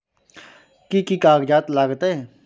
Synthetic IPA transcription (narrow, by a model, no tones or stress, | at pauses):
kikikaːɡd͡ʒaːt̪laːɡt̪ee